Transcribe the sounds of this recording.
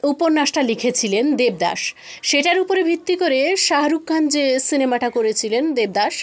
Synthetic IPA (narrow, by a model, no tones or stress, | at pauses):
upoɾnaʃʈalikʰet͡ɕʰilend̪eb̚d̪a̰ʃ | ʃeʈaɾupoɾebʱit̪ːikoɾeʃaɦaɾukʰːand͡ʑesinemaʈakoɾet͡ɕʰilend̪eb̚d̪aʃ